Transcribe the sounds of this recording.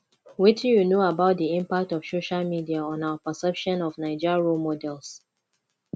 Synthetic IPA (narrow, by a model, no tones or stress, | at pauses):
witijunoabaʊt̚diĩmpak̚tɔfsoʃalmidiaɔ̃naʊapəsɛpʃɔ̃nɔvnaɪd͡ʒiɹomɔdɛlˠs